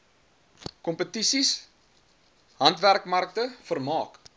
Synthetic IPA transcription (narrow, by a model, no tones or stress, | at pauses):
kɔmpətisis | ɦɐntværkmɐrk̚təfərmɑːk